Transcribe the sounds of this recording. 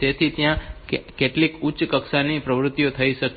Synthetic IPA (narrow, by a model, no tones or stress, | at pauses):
et̪ʰit̪jãkeʈlikut͡ʃkəksanipɾəʋɾʊt̪ːjot̪ʰəiʃək